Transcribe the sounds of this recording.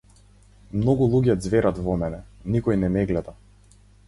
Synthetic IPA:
mnɔɡulˠuɟɛd̪zvɛɾat̪vɔmɛnɛnikɔjnɛmɛɡlɛd̪a

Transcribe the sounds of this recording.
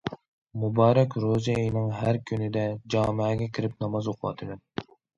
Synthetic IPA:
mubɑːɾɛkʲɾozijejnɨŋɦæɾkʲʰynɪd̪ɛd͡ʒɑːmɪːɡʲɛkʲʰiɾɪp̚nɑmɑzoqʰʊwɑ̰t̪ʰːɨd̪ɛn

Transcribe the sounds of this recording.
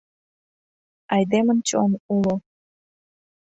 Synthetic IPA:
ɑjd̪emənt͡ɕo̰nulo

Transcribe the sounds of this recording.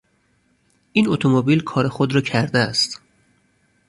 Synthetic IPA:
ʔiːnot̪ʰomobilkʰɒːɾexod̪ɾɒːcʰæɾd̪eæst̪

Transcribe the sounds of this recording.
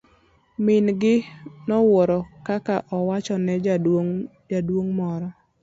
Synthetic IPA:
mɪnɡɪnɔwoɾɔkakaʔɔwat͡ʃɔnɛ | d͡ʒadwoŋmɔɾɔ

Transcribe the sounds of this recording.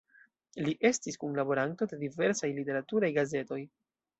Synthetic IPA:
liʔe̞stiskunlabo̞ɾanto̞de̞dive̞ɾsajlite̞ɾatuɾajɡaze̞to̞j

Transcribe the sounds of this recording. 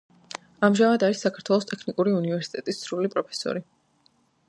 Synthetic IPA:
amʒamad̪aɾisːakʰaɾt̪ʰwɛlˠɔst̪ʼɛkʰnikʼuɾiunivɛɾsi̥t̪ʼɛt̪ʼissʰɾulipʼɾɔpʰɛ̥sɔ̰ɾi

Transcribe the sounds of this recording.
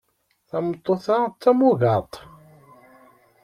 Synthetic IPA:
θɑmət̪ˤːoθat͡s̪ːæmuɣɑt̪ˤ

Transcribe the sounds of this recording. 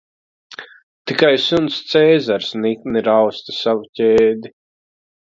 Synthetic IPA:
t̪ikajsunst̪sɛːzaɾsnikniɾawst̪i̥savucʲeːd̪i

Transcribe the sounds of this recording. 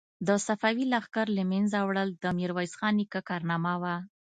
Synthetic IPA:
d̪əsafawilaxkaɾlamenzawɽəld̪əmiɾwajsxɑnikakɑɾnɑmawa

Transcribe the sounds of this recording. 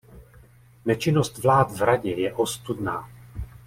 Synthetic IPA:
nɛt͡ʃɪnost̪vlaːt̪vɾaɟɛjɛʔo̞st̪udnaː

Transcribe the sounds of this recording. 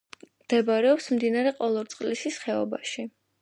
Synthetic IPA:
md̪̥ɛbaɾɛɔpsmd̪inaɾɛqʼɔlˠɔɾt̪sʼqʼlisisχɛɔbaʃi

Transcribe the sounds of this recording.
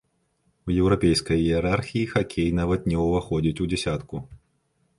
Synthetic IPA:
ujɛwɾapʲejskɐjiɛɾarxʲijixakʲʰejnavɐt̪̚nʲɛuvaxɔd͡zʲit͡sʲud͡zʲɛsʲat̪ku

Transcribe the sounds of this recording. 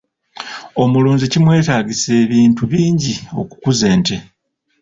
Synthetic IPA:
o̞muluːnzicimwe̞ːtaːɟise̞ːβiːntuβiːɲɟio̞̰ku̥kuzeːnte

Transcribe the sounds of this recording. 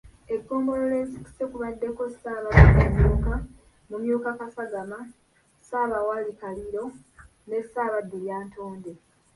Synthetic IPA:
e̞ɡːo̞ːmbo̞lole̞ziku̥sekuβadːe̞ko̞saːβadeɡemjuːka | mumjuːkakasaɡama | saːβawalikaliɾo̞ | ne̞saːβadːeljaːnto̞ːnde̞

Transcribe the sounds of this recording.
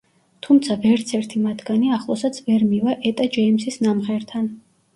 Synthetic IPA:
t̪ʰumt̪sʰavɛɾt̪sʰɛɾt̪ʰimat̪ʰɡaniaχlˠɔsat̪sʰvɛɾmivaʔɛt̪ʼad͡ʒɛimsisnamʁɛɾt̪ʰan

